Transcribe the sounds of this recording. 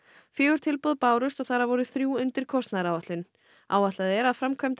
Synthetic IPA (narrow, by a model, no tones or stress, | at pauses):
fjɛːɣʏɾ̥t̪ʰɪlpɔðpaːwɾʏst̪ɔɣθaɾavɔɾʏθɾjuːʏnt̪ɪɾ̥kʰɔst̪naðɾaːwvaht̪lʏn | a̰ːwat̪laðɛɾaðfɾamkʰvœmt̪